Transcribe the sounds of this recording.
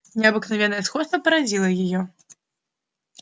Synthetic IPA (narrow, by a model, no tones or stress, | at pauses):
nʲɛɐbɨknavʲɛnːɐjɛsxɔt̪st̪vɐpɐɾad͡zʲilˠɐjajɔ